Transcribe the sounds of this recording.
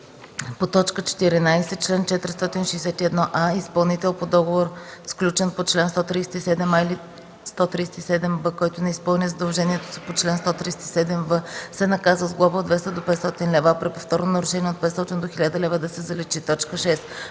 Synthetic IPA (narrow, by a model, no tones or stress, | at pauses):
pot̪ɔt͡ʃkət͡ʃɛ̥t̪iɾinajsɛt͡ʃlɛnt͡ʃɛt̪ɾst̪ɔt̪inʃɛjsɛt̪iɛd̪nɔʔaispɐlˠnit̪ɛlˠpod̪ɔɡovoɾsklʲut͡ʃɛnpot͡ʃlɛnst̪ɔt̪ɾijsɛ̥t̪isɛd̪ɛmaili | st̪ɔt̪ɾiːsɛ̥t̪isɛd̪ɛmvəkɔjt̪ʊnɛispəlˠnizəd̪ɐlˠʒɛnʲiɛt̪o̥si̥pot͡ʃlɛnst̪ɔt̪ɾisɛ̥t̪isɛd̪ɛmvəsɛnɐkazvəzɡlˠɔvəod̪vɛst̪əd̪opɛt̪st̪ɔt̪inlɛvapɾipoft̪ɔɾnonɐɾʊʃɛnʲiɛot̪̚pɛt̪sɔt̪ind̪oxilʲad̪əlɛvəd̪ɐsɛzɐlɛt͡ʃit̪ɔt͡ʃkəʃɛs